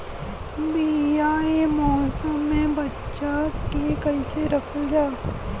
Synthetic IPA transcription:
bijaemɔːsəmːẽbɐtːʃakekɐiseɾɐpʰəld͡ʒaː

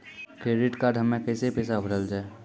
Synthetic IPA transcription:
kɾeːɖɪʈkaːɾɖɦəmːẽkɛːsepɛːsabʱəɽəld͡ʒaːe

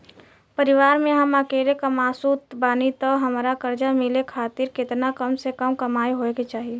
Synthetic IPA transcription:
pəɾɪʋaːɾmẽɦəməkeːɾekəmaːsut̪baːnit̪ɔɦəmɾakəɾd͡ʒamɪlekʰaːt̪ɪɾkɪt̪nakəmsekəmkəmaːeɦoeket͡ʃaːɦie

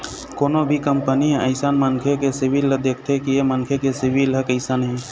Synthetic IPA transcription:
koːnobʱikəmpəniɦɛ̃ʔəɪsaːnmənkʰekesɪbʱilːəd̪eːkʰt̪ʰekijemənkʰekesɪbʱiləkəɪsaːnɦɛ̃

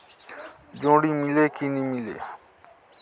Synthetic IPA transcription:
d͡ʒõːɽiːmɪleːkiːnĩːmɪlḛː

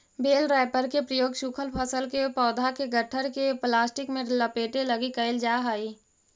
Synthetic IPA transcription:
beːlɾɛːɪpəɾkepɾəjoːɡʃʊkʰəlpʰəsəlkepɔːd̪ʱakeɡəʈʰəɾkeplaːsʈɪkmẽləpeːʈelɐɡikɐɪld͡ʒaːɦaːiː

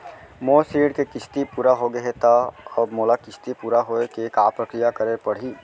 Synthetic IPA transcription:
moːsiːɽkekɪst̪ipuːɾaɦoɡɐɦet̪aɐbmoːlakɪt͡ʃʰt̪ipuːɾaɦoːekeːkaːpɾəkɾijakɐɾepɐɽ̤iː

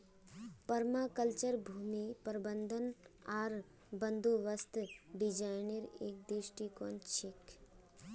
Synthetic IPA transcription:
pɐɾmaːkəlt͡ʃəɾbʱuːmipəɾbənd̪ʱənaːɾ | bə̃nd̪oʋəst̪ɖɪd͡ʒaɪneɾeːk̚d̪ɾɪʃʈikɔnt͡ʃʰɪk

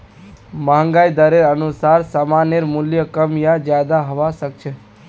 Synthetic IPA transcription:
maɦə̃ŋɡaid̪əɾeɾənusaɾsamaneɾmuljəkəmjad͡ʒjad̪aɦəʋaʃək̚t͡ʃʰe

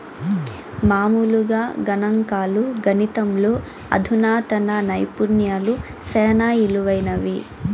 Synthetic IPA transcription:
maːmuluɡaːɡɐnɐŋkaːluɡɐnit̪ɐmloː | ɐ̰d̪ʱunaːt̪ɐnɐnɐjpuɾnjaːlu | sɛːnaːiluʋɐjnɐʋi

